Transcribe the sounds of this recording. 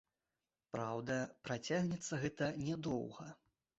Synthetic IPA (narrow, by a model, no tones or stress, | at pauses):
pɾawd̪ɐpɾat͡sʲaɣnʲɛt̪sːɐɣɛt̪ɐnʲɛd̪ɔ̰wɣɐ